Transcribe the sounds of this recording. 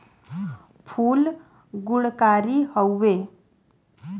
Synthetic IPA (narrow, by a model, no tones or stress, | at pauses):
pʰuːl | ɡuɭkaɾiːhəwːe